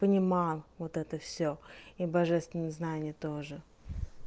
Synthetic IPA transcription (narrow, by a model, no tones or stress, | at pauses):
pənʲɪmɑlˠvot̪ɛt̪əfsʲoibɐʐɛst̪vʲɪnːəznanʲɪjət̪oʐɨ